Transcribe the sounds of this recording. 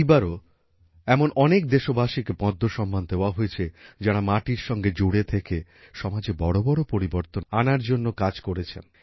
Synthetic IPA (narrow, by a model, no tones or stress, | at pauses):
baɾo | ɛmonɔnekd̪eʃobaʃikepɔd̪ʱːoʃɔmːand̪eoaɦoet͡ɕʰed͡ʑaɽamaʈiɾʃɔŋɡed͡ʑoɽet̪ʰeke | ʃɔmad͡ʑebɔɽobɔɽopoɾiboɾt̪onanaɾd͡ʑonːokad͡ʑkoɾet͡ɕʰḛn